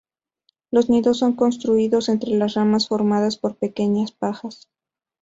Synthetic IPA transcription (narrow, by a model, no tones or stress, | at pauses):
lo̞zniðo̞sːo̞ŋko̞nst̪ɾuiðo̞se̞nt̪ɾe̞lasramasfo̞ɾmaðaspo̞ɾpe̞ke̞ɲaspaxas